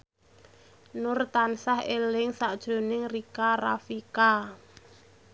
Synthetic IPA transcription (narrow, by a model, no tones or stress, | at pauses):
nʊrt̪ansahelɪŋsaʔd̥ʒ̥o̤nɪŋrikarafika